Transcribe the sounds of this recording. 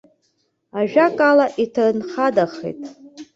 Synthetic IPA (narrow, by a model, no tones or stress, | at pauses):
aʒᶣakʼalaʔitʰanχadaχḛtʼ